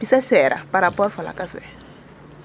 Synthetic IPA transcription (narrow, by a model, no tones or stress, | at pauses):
isasɛɾa̰paɾapɔɾfɔla̰kaswɛ̰